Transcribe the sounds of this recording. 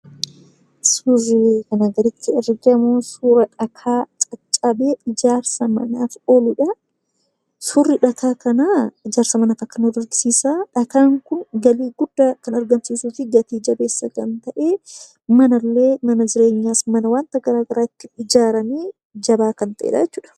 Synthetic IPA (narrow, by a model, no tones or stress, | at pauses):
suzɪkɐnɐɡɐɾɪt̪ːɪɛrɡemoːsuːɾɐᶑɐkʰaːt͡ʃʼɐt͡ʃʼːɐbe̞ːɪd͡ʒaːɾsɐmɐ̰naːfoːlʊᶑɐ | sʊrːɪᶑɐk̪ʰaːkɐnaːɪd͡ʒaːɾsɐmɐnaːfɐkːɐnʊd̪ɐɾɡsiːsaːᶑɐk̪aːŋkʊnɡɐliːɡʊd̪ːɐkɐnɐɾɡɐnsiːsuːfɪɡɐt̪iːd͡ʒɐbe̞ːsːɐkɐnt̪ɐʔe̞ː | mɐnɐlːe̞ːmɐnɐd͡ʒɪɾe̞ːɲːaːsmɐnɐwaːnt̪ɐɡɐɾaːɡɐɾaːɪt̪ːɪɪd͡ʒaːɾɐniː | d͡ʒɐbaːkɐnt̪ɐʔḛːᶑɐ̰d͡ʒɛt͡ʃːuːᶑɐ̥